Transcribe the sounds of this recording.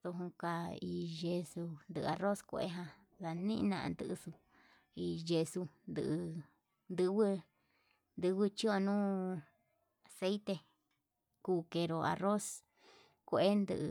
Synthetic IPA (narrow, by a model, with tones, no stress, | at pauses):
t̪o˧ɦũ˧ka˧i˧ʒe˧su˧nd̪ɨ˧ʔa˧ro˦skʷḛ˧ʔḛ˦ɦã˧ | ða˧nĩ˦nã̰˧ʔnd̪ɨ˧ʔsu˧ | i˧ʒe˧su˧nd̪ɨ̰˧ʔ | nd̪ɨ˧wɨ˦ | nd̪ɨ˧˦wɨ˦t͡ʃi˦o˧nũː˦ | a˨se˦jt̪e˧ | kuː˧ke˧ɾo˧a̰˧ro˦s | kʷe˧ʔe˦nd̪ɨ̰˧ʔ